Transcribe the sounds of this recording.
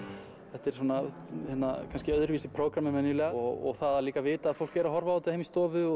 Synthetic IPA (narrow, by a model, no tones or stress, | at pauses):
θɛht̪ɛɾ̥suːna | hɛnːa̰kʰanscɪœðʏɾviːsɪpʰɾoːwkɾamɛmɛnːʏlɛːɣɔɔ̰ɣθaðaliːkavɪːt̪aːðfowl̥kɛɾaɦɔɾvaaːt̪ɪðhejmist̪ɔːvʏɔ